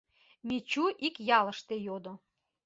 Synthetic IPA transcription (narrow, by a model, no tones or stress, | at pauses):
mʲit͡ɕuʔikjɑlə̆ʃt̪ejod̪o